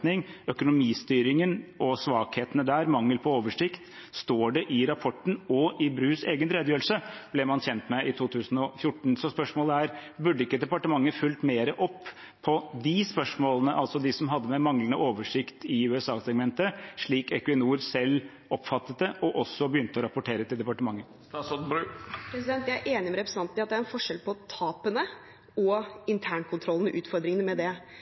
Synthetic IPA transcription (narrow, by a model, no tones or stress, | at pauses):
nɪŋœkʊnʊmiːst̪yːɾɪŋənɔsʋɑːkheːt̪ənəd̪æːɾmɑŋːəlpʰɔoːʋəʂɪkt̪st̪oːɖɛʔɪɾɑpʰɔʈːn̩ɔʔɪbɾʉːseːɡənɾɛd̪əjøːɾl̩səb̥lɛmɑnçɛnt̪mɛɪt̪ʰuːt̪ʰʉːsnɔfjʊʈɳ̩sɔspœʂmoːləæɾbʉɖːəɪkːəd̪ɛpɑʈəmɑŋːəfʉlt̪meːɾəʔɔpː | pʰːɔd̪ɪspœʂmoːlənəʔɑlsɔd̪ɪsɔmɦɑd̪ːəmɛmɑŋlənəoːʋəʂɪkt̪ɪʉːɛsɑːsɛɡmɛnt̪əʂɭiːkɛkʉɛnuːɾsɛlː | ɔpːfɑt̪ːət̪əʔɔʔɔsːɔbəjʏnt̪əɔɾɑpʊʈʰeːɾət̪ʰɪld̪ɛpɑʈəmɑŋːə | s | pʰɾɛsɪd̪ɛnt̪jææɾʔeːnɪmɛɾɛpɾsɑnt̪ɑt̪̚d̪ɛæɾɛnfɔʂɛlpʰɔt̪ʰɑːpənə | ɔɪnt̪ʰæːɳkʰʊnt̪ʰɾɔlːənəʔʉːt̪fɔɾd̪ɾɪŋənəmɛd̪ɛ